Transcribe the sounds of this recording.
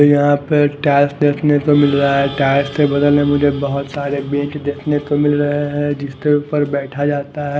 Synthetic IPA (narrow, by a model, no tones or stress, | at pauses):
jɐɦãpəɾʈɛːsʈd̪eːkʰnet̪omɪlɾɐɦaɦɛʈɛːsʈsebɐd̪əlnemʊd͡ʒʱebɐɦʊt̪saːɾebẽːt͡ʃd̪eːkʰnet̪omɪlɾɐɦeɦɛ̃d͡ʒɪskeʊpəɾbɛːʈʰad͡ʒaːt̪aɦɛː